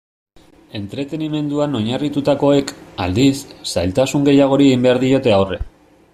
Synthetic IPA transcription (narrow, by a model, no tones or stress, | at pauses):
e̞nt̪ɾe̞t̪e̞nime̞nd̪uano̞ɲarit̪ut̪ako̞e̞ka̰ld̪isːajlt̪asuŋɡe̞jaɣ̞o̞ɾieimbe̞aɾðio̞t̪e̞awre̞̰